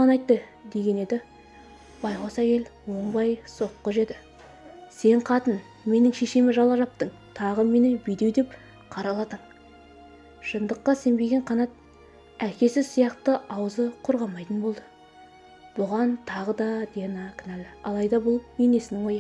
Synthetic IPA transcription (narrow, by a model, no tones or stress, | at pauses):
ʁɑnɑjt̪ːə | d̪e̞ɡʲe̞ne̞d̪ɪ | b̥ɑjqosækʲe̞l | wo̞ɴbɑjso̞qːəʒe̞d̪ɪ | se̞ɴqʰɑt̪ən | me̞nɪŋʃeʃemɪʒɑlˠɑʒɑp̚t̪əɴ | t̪ʰɑʁəme̞nɪbijd̪e̞wd̪e̞p | qʰɑɾɑlˠɑt̪əɴ | ʃənd̪əqːɑse̞mbe̞ɡʲe̞ɴqʰɑnɑt̪̚ | ækʲe̞sɪzsijɑqt̪əɑwzəqʰoɾʁɑmɑjt̪ənbo̞lˠd̪ə | b̥ʊʁɑnt̪ʰɑʁəd̪ɑd̪enɑkʰʲnælɑ̰lˠɑjd̪ɑbʊlˠene̞sɪnɪŋwo̞jə